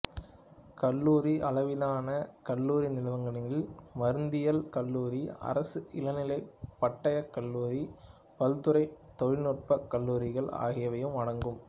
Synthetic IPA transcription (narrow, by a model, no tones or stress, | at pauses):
kɐlːuːɾiʔɐlɐʋɪnaːnɐkɐlːuːɾinɪlɐʋɐŋɡɐnɪŋɪlmɐɾɯnd̪ɪjɐlkɐlːuːɾiɐ̰ɾɐsɯʔɪlɐnɪlɐɪpːɐʈːɐjɐkːɐlːuːɾi | pɐlt̪ɯɾɐɪt̪ɔɻɪnɔʈ̚pɐkːɐlːuːɾɪɣɐɭa̰ːɣɪjɐʋɐjɯmɐɽɐŋɡɯm